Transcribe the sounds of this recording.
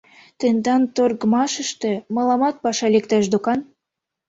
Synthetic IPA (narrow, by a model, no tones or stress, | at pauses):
t̪end̪ɑnt̪orɣəmɑʃəʃt̪ĕmɑlɑmɑt̪̚pɑʃɑlʲekt̪ɑʃ̬d̪okɑn